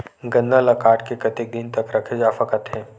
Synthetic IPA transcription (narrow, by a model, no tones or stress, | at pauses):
ɡɐnd̪alɐkaːʈkekɐt̪ek̚d̪ɪnt̪ɐkɾɐkʰed͡ʒaːfakət̪ɦɛ̃ː